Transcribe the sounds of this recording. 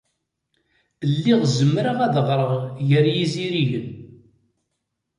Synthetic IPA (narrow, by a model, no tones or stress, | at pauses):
əlːiʁzəmːɾaʁæðəʁɾˤəʁʝəɾjiziɾiʝən